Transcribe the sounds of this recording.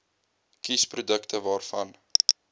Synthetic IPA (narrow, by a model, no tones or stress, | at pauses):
kisprudəktʰəvɑːrfɐn